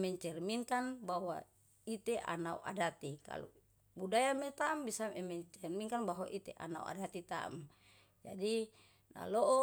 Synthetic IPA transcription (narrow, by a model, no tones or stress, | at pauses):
mɛɲt͡ʃɛrmiŋkanbawa | it̪eʔa̰nauʔa̰dat̪ika̰lṵ | budajamet̪aːmbisamɛmɛɲt͡ʃɛrmiŋkanbaɦwaʔit̪eʔa̰naṵʔa̰dat̪it̪a̰a̰m | d͡ʒadi | na̰lɔʔɔ